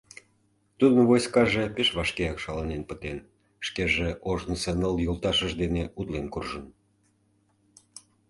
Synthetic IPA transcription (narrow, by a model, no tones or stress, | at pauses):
t̪ud̪əmβojskɑʒepeʃβɑʃkeɑkʃɑlɑnenpət̪en | ʃkeʒeoʒnəsenəljolt̪ɑʃəʒd̪eneut̪lenkurʒən